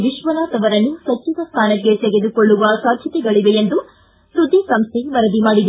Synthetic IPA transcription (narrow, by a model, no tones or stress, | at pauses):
ʋiʃʋɐnaːt̪ɐʋɐɾɐnːusɐt͡ʃːud̪ɐst̪ʰaːnɐkːe̞t̪eɡed̪ukoɭːuʋɐsaːd̪ʱjɐt̪ɛɡɐɭiʋejend̪u | sud̪ːisɐmst̪ʰeʋɐɾɐd̪imaːɽid̪